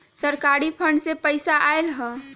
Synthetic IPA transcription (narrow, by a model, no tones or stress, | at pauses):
səɾkaːɾipʰə̃ɳɖsepəɪsaʔaːelɦɛ̃ː